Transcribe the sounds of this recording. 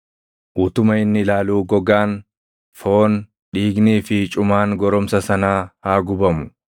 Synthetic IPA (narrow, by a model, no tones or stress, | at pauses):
ʔuːt̪ʊmɐɪnːɪlaːluːɡɔɡaːn | foːn | ᶑiːɡniːfɪt͡ʃʼʊmaːŋɡɔɾɔmsɐsɐnaːhaːɡʊbɐmʊ